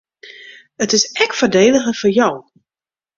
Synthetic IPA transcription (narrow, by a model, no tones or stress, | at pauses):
ətɪsɛkfərdeːdəɣəfɔrjɔw